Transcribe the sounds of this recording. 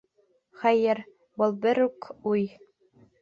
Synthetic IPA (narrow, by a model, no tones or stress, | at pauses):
χæjɘɾ | bɤlˠbɘɾʉkuj